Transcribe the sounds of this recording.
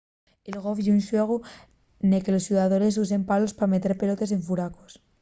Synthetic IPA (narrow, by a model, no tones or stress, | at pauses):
elɣ̞o̞fʝunʃwe̞ɣ̞u | neke̞lo̞sjuðaðo̞ɾe̞s̬use̞mpalo̞spame̞t̪e̞ɾpe̞lo̞t̪e̞s̬e̞ɱfuɾako̥s